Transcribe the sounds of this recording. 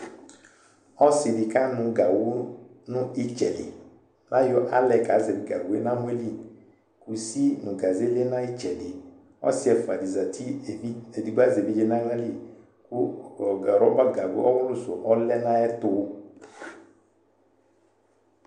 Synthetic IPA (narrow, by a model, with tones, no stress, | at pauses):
ɔ˦sɪ˨di˨ka˦nʊ̃˨ɡa˨wʊ˦nʊ˦i˦t͡ʃɛ˨lɪ̰˨ | nʔã˦jɔ˦ʔa˦lɛ˨ka˨˦ze˨bi˨ɡa˨ɡu˨e˦na˦mu˦e˦li˦ | ku˨si˦nʊ̃˨ɡa˨ze˦le˦nã˦i˦t͡ʃɛ˨lɪ˨ | ɔ̰˦sɪ˦ɛ˨fa˨di˨za˨tʰi˦˨˦e˨di˨ɡa˦ze˨bi˦d͡ʒe˦na˦ŋa˦li˦ | ku˦˨ | ɾɔ˦ba˦ɡa˨ɡʊ̰˦ɔ˦wʊ˦lʊ˦sʊ̰˨ʔɔ˦lɛ˦nã˦ɛ˦tʊ˨˦